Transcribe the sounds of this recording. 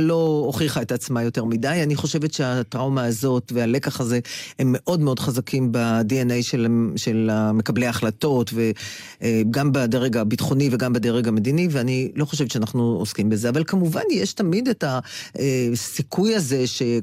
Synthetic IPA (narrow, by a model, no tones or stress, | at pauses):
lo̞oχiχaetat͡smajo̞te̞ʁmidajaniχo̞ʃe̞vetʃe̞atʁawmaːzo̞tveale̞kaχaze̞hemːe̞ʔo̞dme̞o̞dχazakʰimbadienejʃelʃelame̞kablejaaχlato̞tve̞ | ɡambadeʁeɡabitχo̞niveɡambedeʁeɡame̞diniveanilo̞χo̞ʃ̬evet̪ʃeanaχnuoskimbeze̞avalkamuva̰njeʃtamidetaesikʰujaze̞ʃe̞